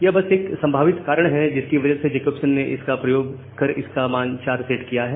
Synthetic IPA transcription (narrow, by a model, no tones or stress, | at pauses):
jebɐseːksɐ̃mbʱaːʋɪt̪kaːɾəɽ̃ɦɛd͡ʒɪskiʋɐd͡ʒəsed͡ʒeːkəːpsənːeʔɪskapɾɐjoːɡ | kɐɾɪ̰skamaːnt͡ʃaːɾseːʈkijaɦɛː